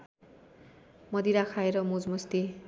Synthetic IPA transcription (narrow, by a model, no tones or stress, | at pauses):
mʌd̪iɾakʰaeɾʌmud͡zmust̪i